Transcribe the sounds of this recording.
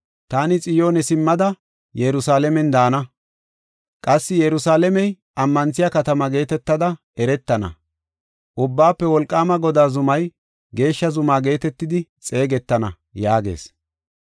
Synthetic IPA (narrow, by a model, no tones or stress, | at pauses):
t̪aːnɪt͡sʼɪjo̞ːnɛsɪmːɐd̪ɐ | jɛɾʊsaːlɛmɛnd̪aːnɐ | kʼɐsːɪjɛɾʊsaːlɛmɛj | ʔɐmːɐnt͡sːɪjakɐt̪ɐmɐɡe̞ːt̪ɛt̪ːɐd̪ɐ | ɛɾɛt̪ːɐnɐ̰ | ʔʊbːaːpːɛwɔlkʼːaːmɐɡɔd̪aːzʊmɐj | ɡe̞ːʃːɐzʊmaːɡe̞ːt̪ɛt̪ːɪd̪ɪt͡sʼe̞ːɡɛt̪ːɐnɐ̰ | jaːɡe̞̰ːs